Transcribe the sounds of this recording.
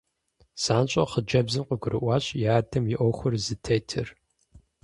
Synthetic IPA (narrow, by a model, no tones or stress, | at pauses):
saːnɕʼɐχəd͡ʒɐbzɨmqʷəɡʷʊɾɨʔʷɑːɕʼjaːdɐmjɪʔɔxʷʊrzɨtʰeːtʰɨ̰r